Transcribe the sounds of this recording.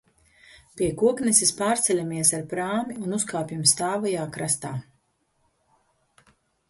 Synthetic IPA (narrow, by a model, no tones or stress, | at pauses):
pʲiɛkuɔknɛsispaːɾt̪sɛlʲamiɛsaɾpɾaːmiunuskaːpʲjimst̪aːvajaːkɾast̪aː